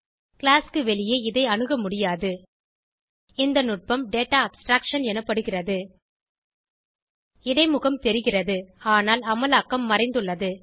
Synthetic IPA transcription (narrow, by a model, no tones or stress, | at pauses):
kɭaːskɯʋɛɭɪjeːɪðɐɪɐɳɯɣɐmʊɽɪjaːðɯ | ɪnd̪ɐnʊʈ̚pɐmɖeːʈːaːɐbsʈɾaːkʂɐnɛnɐpːɐɽɯɣɪrɐðɯ | ɪɽɐɪmʊɣɐmt̪ɛɾɪɣɪrɐðɯaːnaːlɐmɐlaːkːɐmːɐrɐɪnd̪ɯɭːɐðɯ